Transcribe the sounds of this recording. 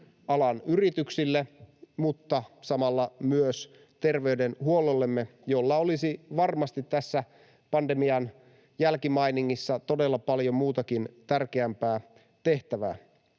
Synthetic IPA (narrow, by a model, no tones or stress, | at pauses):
ɑlɑnyrit̪yksilːemut̪ːɑsɑmɑlːɑmyøs | t̪e̞rʋe̞ydenhuololːemːejolːɑolisiʋɑrmɑst̪it̪tæsːæ | pɑndemiɑn | jælkimɑijniŋːisːɑt̪o̞de̞lːɑpɑljo̞mmuːt̪ɑkint̪ærkeæmpæː | t̪e̞ht̪æʋæ̰ː